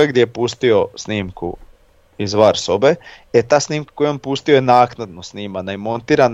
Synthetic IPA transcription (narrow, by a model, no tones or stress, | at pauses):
aɡd̪jejepuːst̪io̞sniːmkṵ | izʋaɾsobeet̪aːsniːmkḁkojompust̪iojenaːknad̪nosniːmanaimo̞nt̪iːɾan